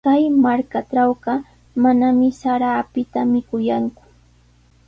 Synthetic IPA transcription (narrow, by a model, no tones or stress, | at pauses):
kajmaɾkaʈ͡ʂawɢɑ | manamɪsaɾaːpɪt̪amɪkʊjaŋkʊ̥